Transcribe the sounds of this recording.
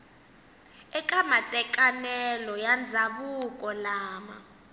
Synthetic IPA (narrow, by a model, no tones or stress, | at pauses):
ɛkʼamatʼɛkʼanɛlɔjand͡zʱaɓukʼɔlaːma̰